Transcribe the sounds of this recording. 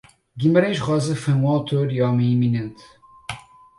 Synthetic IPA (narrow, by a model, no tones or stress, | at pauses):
ɡimɐɾɐ̃jʃʁɔzɐfojũawt̪oɾiɔmɐ̃j̃iminẽnt̪